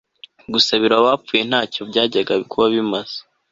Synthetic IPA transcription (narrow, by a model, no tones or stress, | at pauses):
ɡusaβiɾaβaːfuje̞n̥haːco̞bɟaːɟaɡaβikʰuβaβimaz̥ḁ